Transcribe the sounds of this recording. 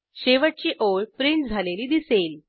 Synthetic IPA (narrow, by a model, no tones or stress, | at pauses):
ɕeʋəʈ̚t͡ɕiːʔoɭpɾiɳʈd͡zʱaleliːd̪isel